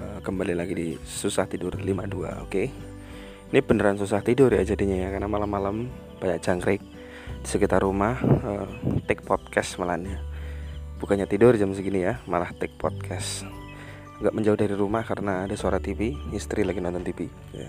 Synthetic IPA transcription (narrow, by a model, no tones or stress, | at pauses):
əkəmbalilaɡidisusaht̪idʊrlimadua̰o̰ke | inibəndəɾansus̬aht̪idʊrjad͡ʒadiɲajakaənamalamːalam | b̥aɲakt͡ʃaŋɡɾɪk̚ | disəkit̪arumahət̪ɛk̚pɔt̪̚kɛsmalanɲa | b̥ukaɲat̪idʊrd͡ʒamsəɡinijamalaht̪ɛk̚pɔ̰t̪̚kʰɛs | aɡaʔməɲd͡ʒaʊhdaɾiɾumahkaɾənaːdasuaɾat̪ipiːst̪ɾilaɡinɔnt̪ɔnt̪ipi | ja̰